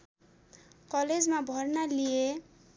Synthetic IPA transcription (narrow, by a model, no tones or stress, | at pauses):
kʌled͡zmabʱʌrnalije